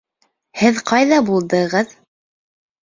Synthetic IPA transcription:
hɘðqɑjðɑbulˠd̪ɤ̆ʁɤð

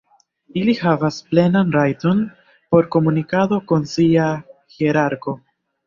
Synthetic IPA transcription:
ilihavasple̞nanɾajto̞n | po̞ɾko̞munikado̞ko̞nsiaheɾaɾko̞

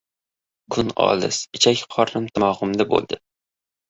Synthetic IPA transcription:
kʰʊnɒ̰lˠɪ̰sɪt͡ʃʰakʲqʰɒɾnɪmt̪ʰɪmɒːʁʊmd̪abo̰lˠd̪ɪ

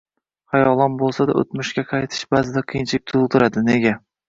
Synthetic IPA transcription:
χɑjɒlˠɒnbolˠsad̪a̰ɵ̰t̪mʊʃkʲaqʰɑjt̪ʰɪ̥ʃbazɪd̪aqʰɨjnt͡ʃʰɪk̚ʲt̪ʰʊlˠd̪ɪɾad̪ɪneɡʲa

